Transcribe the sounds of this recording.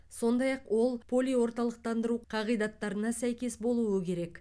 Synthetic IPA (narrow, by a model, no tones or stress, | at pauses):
so̞nd̪ɑjɑqwo̞lˠpʰo̞lʲijwo̞ɾt̪ɑlˠəq̚t̪ɑnd̪əɾuqʰɑʁijd̪ɑt̪ːɑɾənɑsæjkʲe̞sbo̞lˠuəkʲe̞ɾe̞k